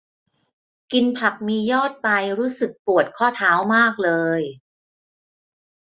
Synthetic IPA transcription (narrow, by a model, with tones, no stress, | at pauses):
ki˧npʰa˨˩k̚miː˧jɔː˥˩t̪̚pa˧jɾuː˦˥sɯ˨˩k̚pu˨˩ət̪̚kʰɔː˥˩t̪ʰaː˩˦˥wmaː˥˩k̚lɤː˧j